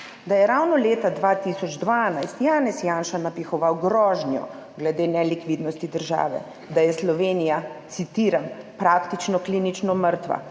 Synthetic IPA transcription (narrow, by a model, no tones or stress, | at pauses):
d̪ajɛɾawnɔleːt̪ad̪ʋaːt̪isɔd͡ʒd̪ʋanajst̪jaːnɛsjaːnʃanapixɔʋawɡɾɔːʒnjɔ̰ | ɡlɛd̪eːnɛlikʋid̪nɔst̪id̪əɾʒa̰ːʋɛ̰ | d̪ajɛslɔʋeːnijat̪sit̪iːɾampɾaːkt̪it͡ʃnɔklinit͡ʃnɔməɾt̪ʋa̰